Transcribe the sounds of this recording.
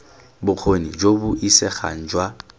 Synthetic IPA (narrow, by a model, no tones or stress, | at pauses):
bʊq͡χʰonid͡ʒobʊʔisɛχa̰ŋ̩d͡ʒwa